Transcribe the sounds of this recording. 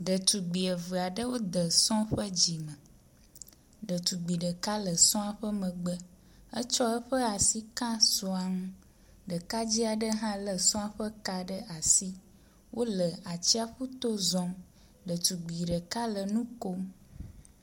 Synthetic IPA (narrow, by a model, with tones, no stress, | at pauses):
ɖə˨t̪u˨ɡ͡bi˨ə˨və˨a˨ɖə˦wo˦d̪ə˨sɔ̃˦ɸə˦d͡ʑi˨mə̃˨ | ɖə˨t̪u˨ɡ͡bi˨ɖə˨ka˦lə˨sɔ̃˦a˨ɸə˦mə̃˨ɡ͡bə˦ | ə˦t͡ʃɔ˦ə˦ɸə˦a˨si˦kã˦sɔ˨a˨ŋũ˦ | ɖə˨ka˦d͡ʑi˦a˨ɖə˦ɦã˦lə˨sɔ̃˦a˨ɸə˦ka˦ɖə˦ʔa˨si˦ | wʔo˦lə˨a˨t͡ɕi˦a˦ɸu˦t̪o˦zɔ̃˦m | ɖə˨t̪u˨ɡ͡bi˨ɖə˨ka˦lə˨nũ˦ko˦m